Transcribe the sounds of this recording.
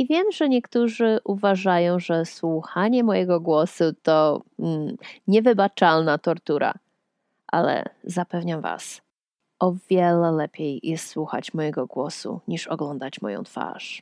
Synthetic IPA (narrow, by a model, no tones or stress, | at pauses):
ivʲjɛmʐɛɲɛkt̪uʐɘʔuvaʐajɔ̃w̃ʐɛswuxaɲɛmɔjɛɡɔɡwɔsut̪ɔm̩ɲɛvɘbat͡ʂalnat̪ɔɾt̪uɾa̰ | ʔa̰lɛ̰zapɛvɲamva̰s | ɔvʲjɛlɛlɛpʲjejjɛst̪swuxa̰t͡ɕmɔjɛɡɔɡwɔsṵɲiʂɔɡlɔnd̪at͡ɕmɔ̰jɔ̰̃w̃t̪fa̰ʂ